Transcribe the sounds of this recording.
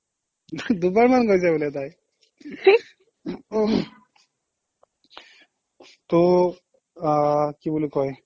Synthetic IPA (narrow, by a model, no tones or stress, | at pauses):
d̪ubaɹmankojzajbulɛt̬aj | t̪o | kibulokɔj